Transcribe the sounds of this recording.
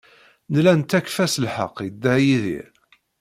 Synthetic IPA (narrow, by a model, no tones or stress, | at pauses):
nlænt̪ːækfæslħə̰qːjəd̪ːæjiðḭɾ